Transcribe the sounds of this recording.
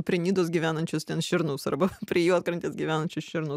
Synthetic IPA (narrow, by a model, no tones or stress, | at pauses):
pʲɾʲiɛnʲiːd̪oːsɡʲiːʋʲæːnɐnʲt͡ʃʲʊst̪ʲɛːnʃʲɪɾnoʊsɐ̰rbɐpʲɾʲiɛjuːɐt̪kɾɐnʲt̪ʲeːsɡʲiʋʲæːnɐnʲt͡ʃʲʊsʃʲɪɾnɐʊ